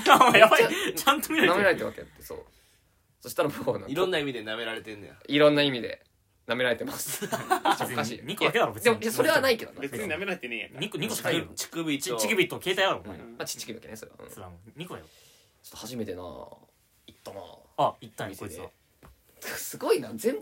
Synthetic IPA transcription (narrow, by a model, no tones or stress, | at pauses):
amajaat͡ɕãnt̪omʲiɾaɾameɾaɾet̪eβa̰keja̰t̪ːeso̰ː | so̞ɕi̥t̪aɾabonã̰iɾõnːaimʲid̪e̞name̞ɾaɾe̞t̪enːojoiɾõ̞nːaimʲid̪e̞̰ | name̞ɾaɾe̞t̪e̞masɨ̥t͡ɕaokaɕḭːɲikod̪aked̪aɾobed̪emojaso̞ɾe̞βanaiked̪o̰nabeɨɲɲiname̞ɾaɾet̪enḛɲikoɲʲiko̥kt͡ɕi̥kɯbɯit͡ɕikɯbɯ̟it̪ːoke̞ːt̪aiaɾoamat͡ɕi̥t͡ɕːi̥kɯbɯkenesoɾe̞a̰ʔɯ̰̃sɾaɲ̟ikod̪ajo | t͡ɕot̪ːohaʑime̞t̪e̞na̰ː | it̪ːana̰ːait̪ːamisd̪e | sɨɡo̞inazẽmb